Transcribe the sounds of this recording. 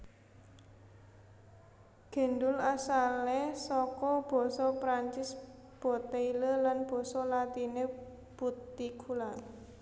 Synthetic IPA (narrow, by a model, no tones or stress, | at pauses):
ɡ̥ɛ̤ndʊlasalesɔkɔb̥ɔ̤sɔpɾaɲt͡ʃɪs | b̥ɔ̤t̪eiləlanb̥ɔ̤sɔlat̪ine | b̥ut̪ikʰula